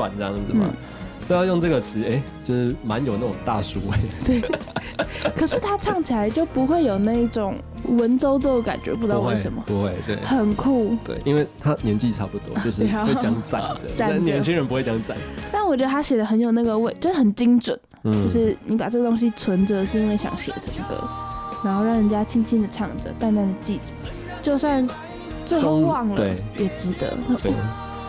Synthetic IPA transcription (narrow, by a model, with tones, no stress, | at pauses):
wa̰˨˩nt͡sə˥jɑ˥˩ŋə˩˥n˩n̩˥˩˨ | pu˥˧jɑ˥˧ʊjo˥˧ŋt͡sɤ˥˩ɡə˩t͡sʰɹ̩˨˥e˥˩ɪt͡ɕjo˥˧ʂɻ̩˥˩ma˧˦njo˨ʊna˥˩ʈ͡ʂʊ˨˩ŋt̪a˥˩su˥we˥˩ɪt̪we˥˩ɪ | kʰə˨˩ʂɻ̩˥˩t̪ʰa˥t͡sʰɑ˥˩ŋt͡ɕʰi˨˩la˧˥ɪt͡ɕjo˥˩ʊpu˧˥xwe˥˩ɪjo˨˩ʊna˥˧i˥˩ʈ͡ʂʊ˨˩ŋ | wə˧˦nt͡so˥ʊt͡so˥ʊd̪ə˨˩ka̰˨˩nt͡ɕɥɛ̰˧˥pu˧˩ʈ͡ʂɻ̩˧ɑ˥˧wə˧˦nmə̰˨pu˧˦xwe˥˩ɪt̪wḛ˥˩ɪxə˨˩nkʰu˥˩t̪wḛ˥˩ɪʔi˦nwe˥˩ɪt̪ʰa˦njɛ˧˦nt͡ɕi˥˩t͡sʰɑ˥ʊpu˥˩t̪wɔ˦jo˧ʊʂ̬i˥˧˥we˥˩t͡ɕjɑ˥ŋt͡sa˥˧˩nt͡sə˨˩a˥˩˥njɛ˧˦nt͡ɕʰi˥ŋɻə˧˦npu˧˥we˥˩t͡ɕjɑ˥ŋt͡sa˥˩nt̪a˥˩nwɔ˨˩t͡ɕɥɛ˧d̪ə˧˥a˥ɕjɛ˨˩d̪ə˧˦xə˧˥njo˨˩ʊna˥˩ɡə˨˩we˥˩ɪt͡ɕo˥˧ʊʂ̩˥˩xə˨˩nt͡ɕi˥ŋt͡swə˨˩˦n | t͡ɕo˥˧ʊʂɻ̩˥˩ni˧˥pa˨˩ʈ͡ʂɤ˥˩ɡə˩t̪o˥ŋɕ̬i˥t͡sʰwə˧˥nd͡zə˧ʂɻ̩˥˧i˥nwe˥˩ɪɕjɑ̰˨˩ŋɕjɛ̰˨˩ʈ͡ʂʰə˧˥ŋkə̰˧˦na˧˥nxo˥˧ʊɻɑ˥˩ŋɻə˨˥nt͡ɕja˥t͡ɕʰi˥ŋt͡ɕʰi˥nd̪ə˨ʈ͡ʂʰɑ˥˩ŋʈ͡ʂə̰˨˦t̪a˥˧nt̪a˥˩nd̪ə˨˩t͡ɕi˥˩t͡sə̥˨˩ | t͡ɕjo˥˧ʊsa˥˧n | t͡swe˥˧ɪxo˥˧ʊwɑ˥˨˩ŋləwe˨˥˧jɛ˨˩ʈ͡ʂɻ̩˧˥d̪ə̰˧˦˥